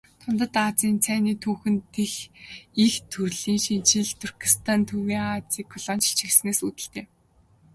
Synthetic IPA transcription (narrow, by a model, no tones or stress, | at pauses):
t̪ʰʊnt̪ə̆t̪at͡siːnt͡sʰæːniːt̪ʰuːxɘ̆nt̪ʰexixt̪ʰɵrɮiːŋʃint͡ɕĭɮt̪ʰur̥kʰi̥st̪ʰant̪ʰuwiːat͡siːkʰːɔɮɔːnt͡ɕɬt͡ɕʰĭɣsneːsut̪ɘ̆ɬt̪eː